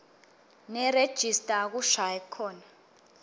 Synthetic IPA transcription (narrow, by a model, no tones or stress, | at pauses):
nɛred̥ʒ̥ʱistʼak̬uʃajɛkʰɔːna